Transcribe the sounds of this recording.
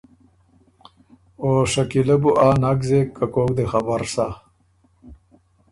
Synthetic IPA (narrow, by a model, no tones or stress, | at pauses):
oːʂɐkilɐbuʔaːnaɡzekːakoːk̚d̪exabaɾsa